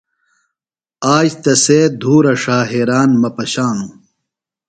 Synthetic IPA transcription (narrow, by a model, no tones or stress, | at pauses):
aːd͡ʑt̪ɐseːd̪ʱuːɾɐʂaːɦeɾaːnmɐpɐɕaːnu